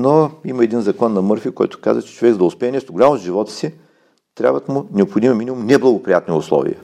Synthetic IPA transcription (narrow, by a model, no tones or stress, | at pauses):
noimɐɛd̪inzɐklˠanːɐmɤɾfikɔ̰jt̪ʊ̥ka̰zət͡ʃɛ̥t͡ʃovɛɡzd̪ʊspɛɛnɛst̪ʊɡʊlʲamozʒivɔt̪ə̥si | t̪ɾja̰bvət̪mʊnɛopxod̪imɛminʲimumnɛblˠɐɡʊpɾijat̪niʊ̰slˠɔ̰vḭjə̰